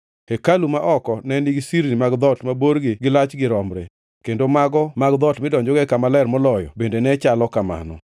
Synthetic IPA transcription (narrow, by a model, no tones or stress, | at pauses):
ekalumaʔɔkɔnɛniɡsiɾnimaɡd̪ɔtmaboɾɡɪɡɪlat͡ʃɡɪɾɔmɾḛ | kendomaɡɔmaɡd̪ɔtmɪdɔɲd͡ʒoɡɛkamalɛrmɔlɔjɔ̰bendenɛt͡ʃalɔkama̰nɔ̰